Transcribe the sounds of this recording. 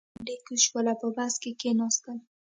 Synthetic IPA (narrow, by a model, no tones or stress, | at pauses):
dekuʃwəlapəbaskekenɑst̪əl